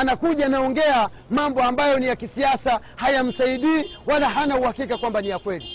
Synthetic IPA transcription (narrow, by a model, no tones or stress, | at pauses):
anakuʄanaɔŋɡɛa | mambɔambajɔnijakisiasahajam̩saiɗiːwalaɦanauhakikakwambanijakwɛli